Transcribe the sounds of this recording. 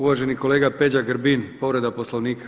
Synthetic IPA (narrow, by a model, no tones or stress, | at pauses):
uʋaːʒeniko̞leːɡaped͡ʑaɡɾbinpo̞ʋɾe̞d̪aposlˠo̞ʋniːkḁ